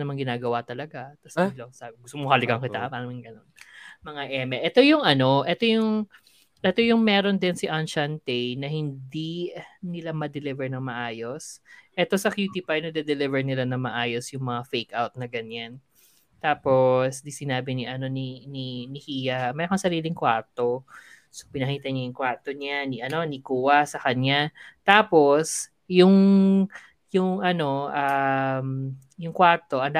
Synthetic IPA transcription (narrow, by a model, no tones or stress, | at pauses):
nɐmaŋɡɪnaːɡɐwat̪ɐlɐɡat̪ɐsalosaɡʊst̪omokɐlɪɡɐŋkɪapaːnɐmɪŋɡɐnonmɐŋaʔɛmɛʔɛt̪o̞jʊŋʔɐno̞ʔɛt̪o̞jʊŋ | ʔɛt̪o̞jʊŋmɛːɾo̞nd̪ɪnsɪʔanʃant̪ɛjnɐhɪnd̪inɪlamɐd̪ɛlɪvɛɹnɐŋmɐʔaːjo̞sʔɛt̪o̞sɐkjuːt̪ipajnɐd̪ɛd̪ɛlɪvɛɹnɪlanɐmɐʔaːjo̞sjʊŋmɐŋafejkʔawt̪̚nɐɡɐɲan | t̪aːpo̞sd̪isɪnaːbɪniʔɐno̞nininɪhiːjamɛɐkɐsɐɾiːlɪŋkwaɹt̪o | sopɪnɐhiːt̪ɐɲajʊŋkwaɹt̪o̞ɲanɪʔɐno̞nɪkuːwɐsɐkɐɲat̪aːpo̞s | jʊŋ | jʊŋʔɐno̞ʔam | jʊŋkwaɾt̪o̞ʔɐnd̪a